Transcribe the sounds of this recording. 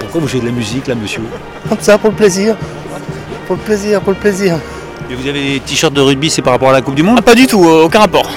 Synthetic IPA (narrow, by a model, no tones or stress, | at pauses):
puʁkwavuɛd̪əlamyziklaməsjø | ɔ̃t̪u̥sapuləpleziːʁ | puʁləpleziːʁpuʁləpleziːʁ | mevuzavet̪iʃœʁt̪̚d̪əʁyd̪̚bisɛpaʁapɔʁalakup̚d̪ymɔ̃pad̪yt̪uokʲɛ̃ʁapɔːʁ